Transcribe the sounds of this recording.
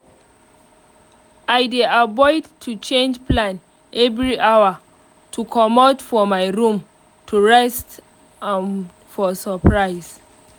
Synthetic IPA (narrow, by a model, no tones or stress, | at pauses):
ajdeabɔɪdtʰut͡ʃẽnd͡ʒplãn | ʔɛvɹiʔawa | tʰukʰɔmɔdfɔmajɹũm | tʰuɹɛst | ãn | fɔsəpʰɹaɪs